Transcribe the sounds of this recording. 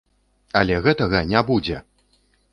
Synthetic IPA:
alʲɛɣɛt̪ɐɣɐnʲabud͡zʲɛ

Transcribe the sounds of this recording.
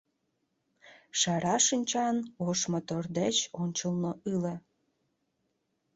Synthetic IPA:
ʃɑɾɑʃinʲt͡ɕɑnoʃmot̪ørd̪et͡ɕonʲt͡ɕəlnoʔɯle

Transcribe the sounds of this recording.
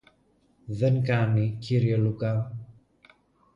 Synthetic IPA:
ðeŋkɐniciɾielukɐ

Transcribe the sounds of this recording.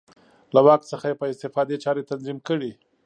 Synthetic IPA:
lawɑk̚t̪səxajepəɪst̪ɪfɑd̪et͡ʃɑɾet̪anzimkəɽi

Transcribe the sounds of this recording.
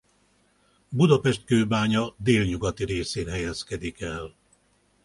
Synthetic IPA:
bud̪ɒpɛʃt̪̚køːbaːɲɒd̪eːlɲuɡɒt̪iɾeːseːnɦɛjɛskɛd̪ikɛl

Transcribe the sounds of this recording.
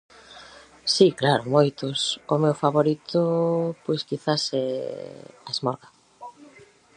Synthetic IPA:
siklaɾomojt̪osomewfaβoɾit̪opojskiθasɛ̰ | aezmɔɾɣa

